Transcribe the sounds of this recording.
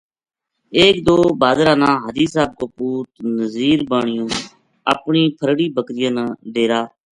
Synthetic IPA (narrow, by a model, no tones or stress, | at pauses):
eːk̚d̪oːbaːd̪ɾãːnãːɦəd̪iːsaːb̚koːpuːt̪nəziːɾbaːɳɪjõː | ə̰pɳiːpʰəɾɽiːbʱəkɾɪjãːnãːɖeːɾaː